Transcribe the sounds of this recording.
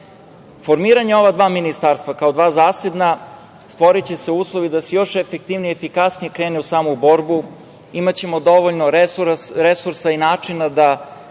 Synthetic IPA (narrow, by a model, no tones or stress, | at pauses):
fo̞ɾmiːɾaɲeo̞ʋad̪ʋaːminist̪aːɾst̪vakaod̪ʋaːzaːsed̪na | st̪ʋo̞ɾit͡ɕese̞uːslˠoʋid̪asejo̞ʃefekt̪iʋniefikasnijekɾeːneusaːmubo̞ɾbu | imat͡ɕe̞mod̪o̞ʋoʎnoɾuɾɾesuɾsainaːt͡ʂinad̪a